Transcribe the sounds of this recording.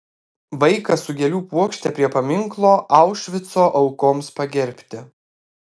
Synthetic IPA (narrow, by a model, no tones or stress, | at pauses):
ʋɐɪkɐsʊɡʲɛlʲuːpuɔkʃʲt̪ʲɛpʲɾʲiɛpɐmʲɪŋklˠoːʔɑˑʊʃʲʋʲɪt̪soːʔɐʊkoːmspɐɡʲɛɾʲpʲt̪ʲɪ